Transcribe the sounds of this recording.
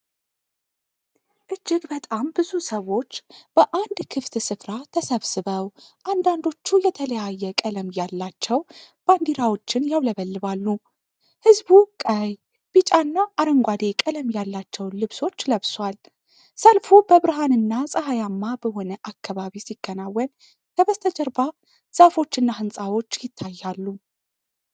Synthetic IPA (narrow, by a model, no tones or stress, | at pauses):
ʔɨd͡ʒːɪɡbət̪ʼambɨzusəwo̞t͡ʃːb̥əʔand̪kʰɨft̪sɨfɾat̪ʰəsəβsɨβəwʔand̪and̪o̞t͡ʃːujɛt̪ʰələjajːɛkʼələmjalːat͡ʃːɛwb̥and̪iɾawo̞t͡ʃːɪnjawləβəlːɨβalːu | hɨzbukʼəj | b̥it͡ʃʼanːaʔːɾəŋɡʷad̪e̞kʼələmjalːat͡ʃːɛwlɨβso̞t͡ʃːləβswal | səlfubəβɨɾɦanɨnːasʼəɦajamːabəho̞nəʔakːaβaβisiɡ̥ːənawːən | kʰəβəst̪ʰəd͡ʒəɾba | z̥afo̞t͡ʃːɨnːahɨnsʼawo̞t͡ʃːjɪt̪ʰːajːalːu